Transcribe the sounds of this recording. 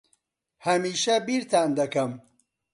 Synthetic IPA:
hɐmiːʃɐbiɾt̪aːnd̪ɐkɐm

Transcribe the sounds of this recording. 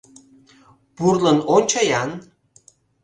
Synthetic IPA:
purlənonʲt͡ɕɑjɑn

